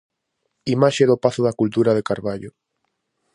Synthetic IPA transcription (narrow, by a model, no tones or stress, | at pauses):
imaʃeðopaθʊðakult̪uɾaðekaɾβaʎʊ